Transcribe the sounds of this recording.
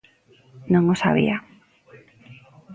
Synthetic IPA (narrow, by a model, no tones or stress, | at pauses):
nõŋosa̰βḭa